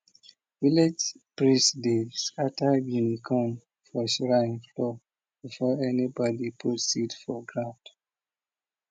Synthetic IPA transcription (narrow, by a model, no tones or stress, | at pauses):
viled͡ʒ | pɹĩsdeskatabjunikʰɔ̃m | fɔsɹãnflɔ | b̥ifɔɛnibɔdipʰutsitfɔɡɹãd